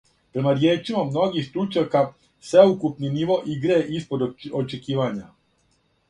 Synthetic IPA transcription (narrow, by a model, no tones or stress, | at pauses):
pɾe̞maɾjeːt͡ʃimamno̞ɡixst̪ɾut͡ʃaka | sʋeukupniniʋo̞ʔiɡɾeeʔispo̞d̪ot͡ʃekiːʋaɲa